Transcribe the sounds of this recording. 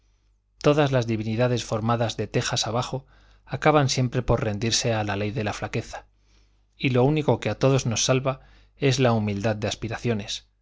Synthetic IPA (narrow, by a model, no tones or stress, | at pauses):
t̪o̞ðazlazðiβiniðaðe̞sfo̞ɾmaðazðe̞t̪e̞xasaβ̞aχo̞ | akaβansje̞mpɾe̞po̞ɾre̞nd̪iɾse̞alale̞jðe̞laflake̞θḁ | ilo̞uniko̞keat̪o̞ðo̞zno̞sːalβa | e̞zlaumild̪aðd̪e̞aspiɾaθjo̞ne̞s